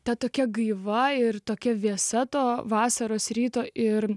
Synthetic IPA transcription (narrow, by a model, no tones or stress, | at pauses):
t̪ʲɐt̪oːkʲɛɡɐɪʋɐɪrt̪oːkʲɛʋʲiɛsɐt̪oːʋɑːsɐɾoːsɾʲiːt̪oːʔɪɾ